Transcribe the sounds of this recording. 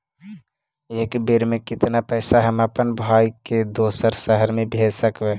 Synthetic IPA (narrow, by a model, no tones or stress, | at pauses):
eːkbeɾmẽkɪt̪napɛːsaɦəmapənbʱaːiked̪oːsəɾsəɦəɾmẽbʱeːd͡ʒsəkʋɛː